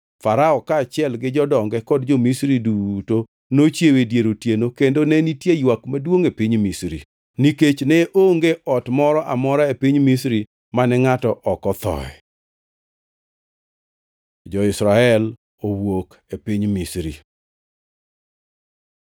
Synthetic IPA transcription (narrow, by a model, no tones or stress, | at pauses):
faɾaɔkaːt͡ʃɪɛlɡɪd͡ʒɔdɔŋɡɛkɔdd͡ʒomisɾiduto | not͡ʃjewedjeɾotjenokendonɛnitjejwakmadwoŋepiɲmisɾḭ | niket͡ʃnɛʔoŋɡeʔɔtmɔɾɔʔamɔɾaepiɲmisɾi | manɛŋatɔʔɔkɔt̪ɔ̰ɛ̰ | d͡ʒɔɪsɾaɛl | owok | epiɲmisɾḭ